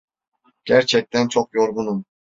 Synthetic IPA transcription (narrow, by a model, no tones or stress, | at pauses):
ɡ̥æɾt͡ʃʰɛc̚t̪ʰænt͡ʃʰoqjoɾɡunum